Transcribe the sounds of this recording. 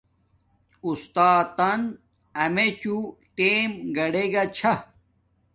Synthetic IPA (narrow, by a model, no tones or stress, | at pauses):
ust̪aːt̪ɐn | ɐmet͡ɕuʈeːmɡɐɽeɡɐt͡ɕʰɐ